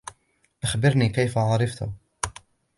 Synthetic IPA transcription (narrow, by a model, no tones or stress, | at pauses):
ʔaxbɪɾniːkajfaʕɑɾˤɑft̪ʊ̰